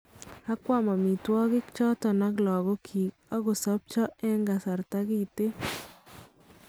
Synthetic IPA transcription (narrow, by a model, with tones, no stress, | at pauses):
a˦kwa˦mɔ˨mi˨twɔ˦ɡɪ˦kt͡ʃɔ˦tɔ˨na˦ɡlɔ˨ɡɔ˦kʰi˨ | ɔ˦ɡɔ˨sɔ˦p̚t͡ʃɔ˦ɛ˦ŋɡa˨sa˨ɾta˦ɡi˦˨te˦